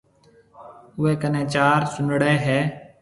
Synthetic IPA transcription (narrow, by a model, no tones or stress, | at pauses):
ʊeːkənẽːt͡ʃaːɾsʊnɽeːɦɛː